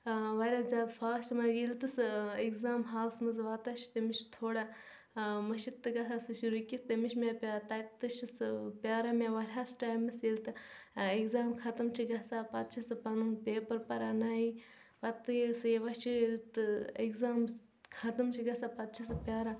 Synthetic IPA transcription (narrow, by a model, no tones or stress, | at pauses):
ʋɐɾʲazʲaːd̪fʰaːsʈmɐɡilt̪ɨsɨeɡzaːmɦaːlsmɨzʋat̪ɐʃi̥t̪emiʃt̪ʰoːɽa | mɐʃit̪ːɨɡɐsasɨʃuɾukʲit̪emiʃmʲapʲaːt̪ɐt̪ːɨʃisɨpʲaːɾamʲaʋɐɾʲɦasʈaːjmɨsilt̪ɨeɡzaːmkʰɐt̪ɐmt͡ʃʰiɡɐsapɐt̪t͡ʃʰɐsɨpɐlunpeːpɐɾpɐɾanaːi | ʋɐt̪ɨjisɨjeʋɐt͡ʃit̪ɨeɡzaːm | kʰɐt̪ɐmt͡ʃʰiɡɐsapɐt̪̚t͡ʃʰɐsɨpʲjaːɾa